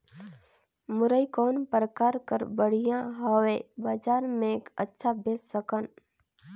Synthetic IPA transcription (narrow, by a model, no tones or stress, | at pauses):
mʊɾəikɔːnpɾəkaːɾkəɾbəɽijãɦəweːbaːd͡ʒaːɾmẽkətːʃʰabeːssəkən